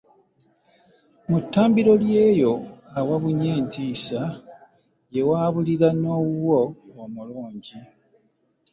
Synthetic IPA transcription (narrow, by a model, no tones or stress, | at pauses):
mutːaːmbiɾo̞lje̞ːjo̞awaβuɲeːntiːsa | je̞waːβuliɾanoːɣuwoomuluːɲɟi